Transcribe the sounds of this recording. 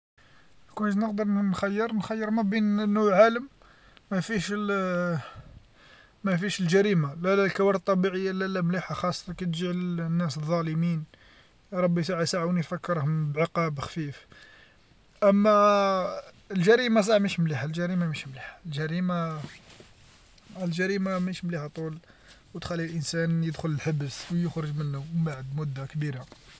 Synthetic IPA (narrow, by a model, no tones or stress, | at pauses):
kunəʃnəqd̪əɾˤnxæjːəɾˤnxæjːəɾˤmæbinnːuwʕaləmː | æfiʃ | mæfiʃəlʒæɾimalælælkæwɑɾdt̪ˤːɑbiʕəjːalælæmliħaxɑsˤːɑkæt̪ʒiʕlnːæsðˤːɑləmin | ɾˤɑbːisaʕsaʕuwnifækːəɾhʊmbʕəqɑbxfif | ʔæmːæ | lʒæɾimas̬ˤɑʕmæʃmliħalʒæɾimamæʃmliħḁlʒæɾima | lʒæɾimamæʃmliħat̪ˤul | wt̪xælːilʔənsænjəd̪xʊləlħəbəswjʊxɾəʒmənːʊbaʕəd̪mʊd̪ːakbiɾa